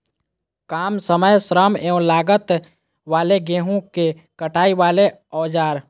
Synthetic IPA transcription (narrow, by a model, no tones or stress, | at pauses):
kaːmsəməjsɾəmeũlaːɡət̪ | ʋaːleɡeːɦũke | kəʈaːiʋaːle | ɔːd͡ʒaːɾ